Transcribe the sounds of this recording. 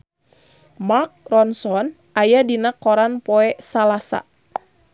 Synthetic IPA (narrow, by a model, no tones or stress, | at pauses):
mark̚rɔnsɔn | ajadinakɔɾanpɔɛsalasa̰